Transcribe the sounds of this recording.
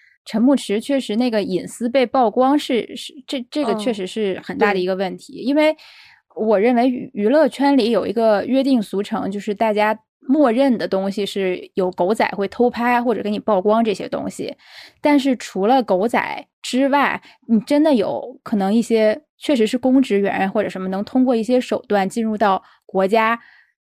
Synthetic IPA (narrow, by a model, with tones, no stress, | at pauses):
ʈ͡ʂʰə˧˥mu˥˩ʈ͡ʂʰɻ̩˧˥t͡ɕʰɥɛ˥˩ʂɻ̩˧˥na˥˩ɡə˩i˨˩nsɹ̩˥pe˥˧ɪpɑ˥˩ʊkwɑ˥ŋʂɻ̩˥˧ʂɻ̩˥˧ʈ͡ʂɤ˥˧ʈ͡ʂɤ˥˩ɡə˩t͡ɕʰɥɛ˥˩ʂɻ̩˧˥ʂɻ̩˥˩xə˨˩nt̪a˥˩d̪ə˩i˧˥ɡə˧wə˥˩nt̪ʰi˧˥i˥nwe˥˩ɪ | wɔ˨˩ɻə˥˩nwe˧˥ɪ˧˩y˧˥lɤ˥˩t͡ɕʰɥɛ˥nli˧˥jo˨˩ʊḭ˧˥ɡə˧ɥɛ˥˧t̪̬i˥˩ŋsu˧˥ʈ͡ʂʰɤ̰˧˥ŋt͡ɕjo˥˧ʊʂɻ̩˥˧t̪a˥˩t͡ɕja˥ | mwɔ˥˧ɻə˥˩nd̪ə˩t̪ʊ˥ŋɕi˨ʂɻ̩˥˩jo˨˩ʊko˧˥ʊt͡sa˨˩ɪxwe˥˩ɪt̪ʰo˥ʊpʰa˥ɪ˧xwɔ˥˩ʈ͡ʂɤ˨˩kni˨˩pɑ˥˩ʊkwɑ˥ŋʈ͡ʂɤ˥˩ɕjɛ̰˥t̪ʊ̰˥ŋɕḭ˨˩t̪a˥˧nʂ̬ɻ̩˥˩ʈ͡ʂʰu˧˥lə˧ko˧˥ʊt͡sa̰˨˩ɪ | ʈ͡ʂɻ̩˥wa˥˩ɪ | ni˨˩ʈ͡ʂə˥nd̪ə˨jo˧˥ʊkʰɤ˨˩nɤ˧˥ŋi˥˩ɕjɛ˥ | t͡ɕʰɥɛ˥˩ʂ̬ɻ̩˧˥ʂɻ̩˥˩kʊ˥ŋʈ͡ʂɻ̩˧˥ɥɛ̰˧˥˧xwɔ˥˩ʈ͡ʂɤ˨˩ʂə˧˥mə˧nɤ˧˥ŋt̪ʰʊ˥ŋkwɔ˥˧i˥˩ɕ̬jɛ˥ʂo˨˩ʊt̪wa˥˧nt͡ɕi˥˧nɻu˥˧t̪ɑ˥˩ʊ | kwɔ˧˥t͡ɕja˥